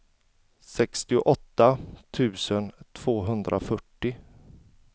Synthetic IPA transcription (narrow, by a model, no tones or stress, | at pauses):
sɛkst̪ɪʊʔɔt̪ːat̪ʰʉ̟ːsənt̪ʰv̥oːɦɵnd̪ɾʔa̰fœʈːɪ